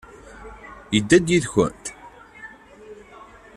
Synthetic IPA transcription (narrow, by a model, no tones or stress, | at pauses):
jəd̪ːæd̪jiðçə̰nt̪